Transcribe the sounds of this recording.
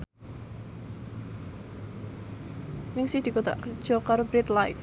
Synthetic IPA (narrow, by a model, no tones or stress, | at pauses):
nɪŋsɪhd̪̥i̤kot̪a̰ʔkərd̥ʒ̥ɔ̤kaɾobɾɪt̪lajf